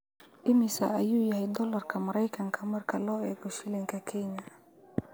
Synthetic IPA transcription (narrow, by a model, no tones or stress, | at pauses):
ʔɪmɪsɐ̰ɐjuːjɐɦɛjd̪ɔlɐrkʰɐmɐɾɐjkʰɐŋkʰɐmɐrkʰɐlɔːɛːɡɔʃɪlɪŋkʰɐkʰɛɲɐ